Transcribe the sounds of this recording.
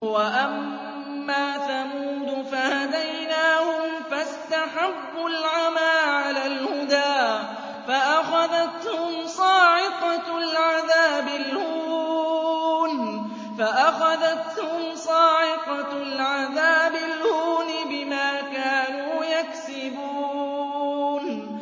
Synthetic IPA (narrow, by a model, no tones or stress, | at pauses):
waʔamː | aːθamuːd̪ʊfahad̪ajnaːhʊmfast̪aħabːʊlʕamaːʕalaːlhʊd̪aː | faʔaxaðat̪hʊmsˤɑːʕɪt̪ɑlʕaðaːbɪlhuːuːn | faʔaxaðat̪hʊmsˤɑːʕɪq̪ɑlʕaðaːbɪlhuːnɪbɪmaːkaːnuːjaksɪbuː | n